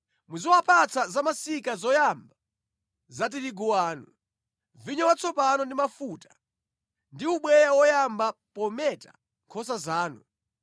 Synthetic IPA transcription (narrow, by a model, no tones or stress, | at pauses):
muzɔwapat͡sʰazamasikazɔjamba | zat̬iɾiɡuwaːnu | viɲɔwat͡sʰɔpanɔndimafutḁ | ndiuɓwɛjawɔjambapɔmɛtḁ̰ | ŋkʰɔs̬azaːnu